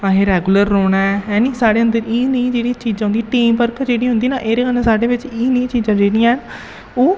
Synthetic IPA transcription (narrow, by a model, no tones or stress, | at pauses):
ãːɦeːɾɛːɡuləɾːoːɳaːɛɛːnĩːsaːɽeːənd̪əɾiːnəĩd͡ʒeːɽiːt͡ʃiːd͡ʒãːɦnd̪iʈiːmpəɾkd͡ʒeːɽiːɦʊ̃nd̪iːnaːʔeːɾeːkənãsaːɽeːʋɪt͡ʃiːnə̃ĩːt͡ʃiːd͡ʒãːd͡ʒeːɽiːãn | oː